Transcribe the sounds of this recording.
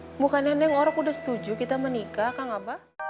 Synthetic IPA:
mukanɛnɛŋoɾaŋudahsə̥t̪ud͡ʒukit̪amənikakaŋapa

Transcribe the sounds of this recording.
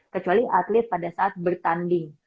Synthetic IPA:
kət͡ʃualiʔat̪lɪt̪̚padasaʔat̪̚bərt̪andɪŋ

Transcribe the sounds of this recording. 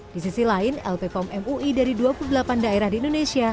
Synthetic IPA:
d̥isisilaɪnɛ̰lpekɔmɛmuidaɾiduapuludlapandaeɾahdiːndonesia

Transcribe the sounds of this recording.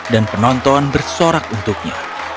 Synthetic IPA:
danpənɔnt̪ɔanbərsoɾak̚unt̪uk̚ɲa̰

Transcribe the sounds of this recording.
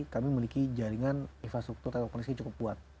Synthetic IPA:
kamiməlikid͡ʒaɾiŋaninfɾast̪ɾuk̚t̪urt̪aɔkɔnisat͡ʃukʊp̚buat̪̚

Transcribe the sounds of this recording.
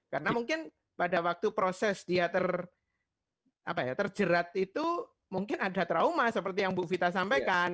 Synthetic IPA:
karənamuŋkɪn | padawak̚t̪upɾosɛsd̥iat̪ər | ʔapajat̪ərd͡ʒəɾat̪̚it̪u | muŋkɪnadat̪ɾaumasəpərt̪ijaŋbuʔfit̪asampajkan

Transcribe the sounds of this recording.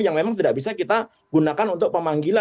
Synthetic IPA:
jaŋmemaŋt̪idaʔbisakit̪a | ɡ̥unakanunt̪ʊk̚pəmaŋɡila

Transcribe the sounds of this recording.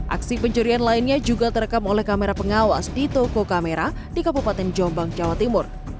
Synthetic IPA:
ʔa̰ksipəɲt͡ʃuɾianlaɪnɲad͡ʒuɡat̪əɾəkamolɛhkameɾapəŋawa̰sdit̪okokameɾa | dikabupat̪ɛnd͡ʒɔmbaŋd͡ʒawat̪imʊr

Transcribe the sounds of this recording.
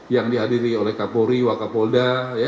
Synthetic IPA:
jaŋdiɦadiɾiolɛhkapoɾiwakapoldaja

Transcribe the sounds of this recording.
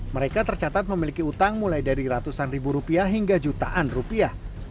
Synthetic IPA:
məɾekat̪ərt͡ʃat̪at̪̚məmilikiut̪aŋmulajdaɾiɾat̪usanribuɾupiaɦiŋɡad͡ʒut̪aʔanrupia

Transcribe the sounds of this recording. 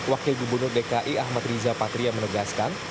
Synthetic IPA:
wakɪlɡubərnʊrdekaʔiahmat̪ɾizapat̪ɾijaŋmənəɡaskan

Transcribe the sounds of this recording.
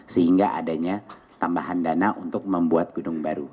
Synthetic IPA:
səhiŋɡaʔa̰daɲa | t̪ambaɦandanaʔunt̪ʊk̚məmbuat̪̚ɡ̥ədʊŋbaɾu

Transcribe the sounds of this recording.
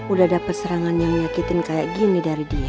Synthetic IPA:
udahdapat̪̚səɾaŋanjaŋməɲakit̪ɪnkajaʔɡinidaɾidia

